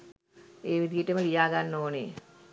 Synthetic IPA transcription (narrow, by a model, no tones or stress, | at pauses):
eːʋid̪ʱijeʈːəməlijaːɡanːoːnḛ